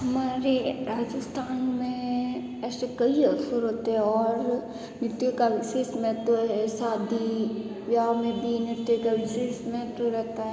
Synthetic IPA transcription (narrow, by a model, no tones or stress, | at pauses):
ɦɐmaːɾeɾaːd͡ʒɪst̪ʰaːnmẽ | ɛːsekɐiɐsoɾɦoːt̪eɦɛ̃ɔːɾ | nɪt̪jokaʋɪseːsmɛːt̪ɾoɦɛsaːd̪i | ʋjamẽbʱinɪɾt̪jokaʋɪseːsmɛːt̪ɾoɾɛɦt̪aɦɛ